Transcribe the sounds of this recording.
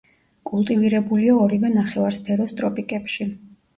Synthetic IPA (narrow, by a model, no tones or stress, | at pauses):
kʼulˠt̪ʼiviɾɛbuliaɔɾivɛnaχɛvaɾspʰɛɾɔst̪ʼɾɔpʼikʼɛpʃi